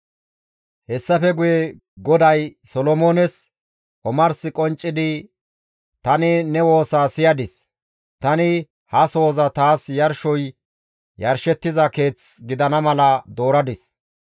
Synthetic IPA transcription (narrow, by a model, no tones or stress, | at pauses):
hɛsːɐfɛɡʊjɛ | ɡɔd̪ɐjsɔlɔmoːnɛs | ʔɔmɐɾsɪkʼɔnt͡ʃʼːɪd̪ɪ | t̪ɐnɪnɛwo̞ːsaːsɪjɐd̪ɪs | t̪ɐnɪ | hɐso̞ːzɐt̪aːsjɐɾʃɔj | jɐɾʃɛt̪ːɪzɐke̞ːt͡sɡɪd̪ɐnɐmɐlɐd̪o̞ːɾɐd̪ɪs